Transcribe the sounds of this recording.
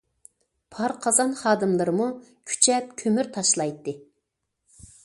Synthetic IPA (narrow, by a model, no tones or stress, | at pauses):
pʰɑɾqʰɑzɑnχɑːd̪ɨmlˠɨɾɨmukʲʰy̥t͡ʃʰɛp̚kʲʰømyɾt̪ʰɑʃlˠɑjt̪ːɨ